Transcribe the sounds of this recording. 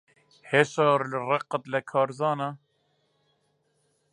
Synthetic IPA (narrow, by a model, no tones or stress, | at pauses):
heʃɑːɾlɨrɛqːət̪lɛkʰɑːɾzɑːna